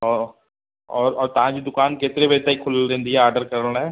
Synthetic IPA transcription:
ɔː | ɔːɾɔːɾt̪ɐɦãd͡ʒid̪ʊkaːnkeːt̪ɾeʋet̪aːikʰʊlɾẽːnd̪iɦɛaːɾɖəɾkəɾəlɳɦɛː

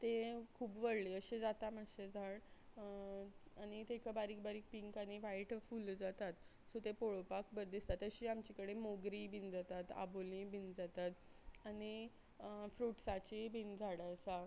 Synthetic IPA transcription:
t̪ekʰuːbʋəɾliəɕed͡zat̪amaɕed͡zʱaɽ | añit̪ekabaɾiːk̚baɾiːk̚piŋkaniʋajʈfuːld͡zat̪at̪ | sot̪epoɭopakbəɾd̪ist̪at̪əɕiamt͡ɕikəɽemoɡɾibʱind͡zat̪at̪a̰bolĩbʱind͡zat̪at̪ani | fɾuʈsat͡ɕibʱind͡zʱaɽəəsa

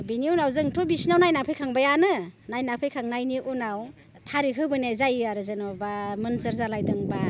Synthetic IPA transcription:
biniunawzɯŋtʰɔbisinawnajnapʰɯjkʰaŋbajanɯnajnapʰɯjkʰaŋnajniʔunaw | tʰaɾiɦɯbɯnezajɯaɾɯzɯnɔbamɯnsɯɾzalajdɯŋba

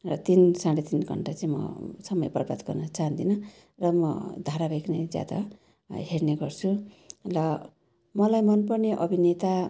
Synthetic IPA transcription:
rʌt̪insãɽet̪inɡʱʌ̰ɳʈat͡saĩmʌ̰sʌmʌjpʌrbʱat̪ɡʌrnʌt͡saɦʌnd̪inʌ | rʌmʌ̰d̪ʱaɾabʱekned͡zja̰d̪a̰ | ɦerneɡʌrt͡sʰu | lʌ | mʌlajmʌnpʌrneʔʌbʱinet̪a

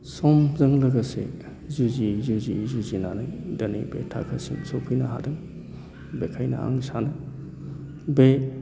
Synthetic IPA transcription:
sɔmzɐŋlɐɡɐsḛ | zuzizuzizuzinanajdɐnijbḛtʰa̰kʰɐsiŋsopʰijnɐɦa̰dɯŋ | bekʰajnɐ̰a̰ŋsanɐ | be

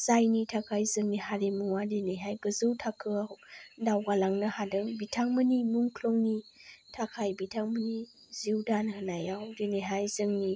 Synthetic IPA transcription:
zajnitʰakʰajzɯŋnihaɾemuŋwadeneɦajɡɯzɯwtʰakʰɯadawɡalaŋnɯhadɯŋbitʰaŋmɯnimuŋkʰlɔŋnitʰakʰajbitʰaŋməni | ziwdanhɯnajawdeneɦajzɯŋni

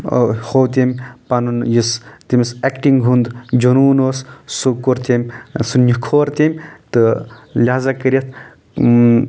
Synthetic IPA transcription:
howt̪ʲemʲpanunjist̪imʲisekʈiŋɡɦund̪d͡ʒonuːnossukoɾt̪emʲsunikʰoːɾt̪ʲemʲt̪ɨlʲaːzɐkəɾʲet̪ʰ

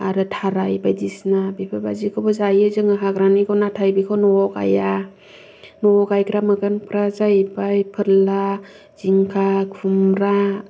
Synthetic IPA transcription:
aɾɯtʰaɾajbajdisnabipʰabazikʰɔbɯzajɯzɯŋaɦaɡɾanikʰɔnatʰajbikʰɔnɔɔka̰ja | nɔɔɡajkɾamɯɡɯnpʰɾazajbajpʰɯɾla | z̥iŋkʰakʰumɾa

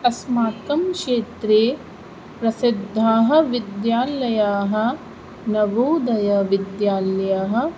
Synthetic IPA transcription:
ɐsmaːkɐmʃeːt̪ɾeː | pɾɐsid̪ʱːaːɦɐ̆ʋid̪jaːlɐjaːɦɐ̆ | nɐʋuːd̪ɐjɐʋid̪jaːljaːɦɐ̆

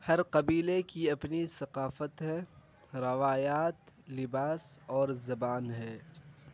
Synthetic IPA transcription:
hɐɾqɐbiːlekiɐpnisɐqaːfət̪ɦɛː | ɾɐʋaːjaːt̪lɪbaːsɔːɾzɐbaːnɦɛː

